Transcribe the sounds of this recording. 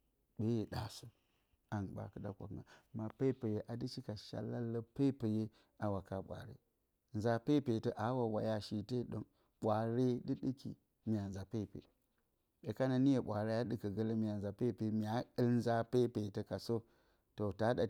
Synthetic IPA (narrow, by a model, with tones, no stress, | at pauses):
ɓe˦je˨ɗa˨su˦ | a˨nɓa̰˨kɨ˦ɗa̰˦kʷa̰˨kŋa̰˨ma˨pe˦pe˨je˦ʔa˨di˦t͡ʃi˦ka˨ʃa̰˨lːa˦lːə˦pe˦pe˨je˦ | a˨wa˨ka˨ɓʷa̰˨ɾḛ˦ | n˨za˨pe˦˨pe˨tə˦ʔa˨˦wa˨wa˨ja˦ʃi˨te˦ɗo̰˦ | ɓʷa˨ɾe˦ɗi˦ɗi˦kḭ˨ | mi˨a˨n˨za˨pe˦˨pḛ˨ | ɓe˨ka˦na˨ni˦je˨ɓʷa˨ɾe˦ja˦ɗɨ˦kə˨ɡə˦lə˦mi˨a˨nza˨pe˦˨pe˨mi˨a˨i˦ln˦za˦pe˦pe˨tə˨ka˨so˦ | to˨ta˨˦ɗa˨